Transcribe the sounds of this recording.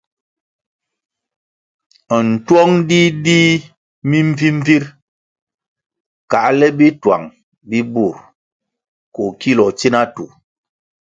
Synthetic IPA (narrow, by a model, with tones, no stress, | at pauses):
n̩˨twɔ˦ŋdi˦di˦ | mi˦m˦vi˦m̩˦vi˦ɾ | ka˨ʔlɛ˦bi˦twa̰˨ŋ | bi˦bu˦˨ɾ | ko˨ki˦lɔ˨t͡ʃi˦na˦tu˨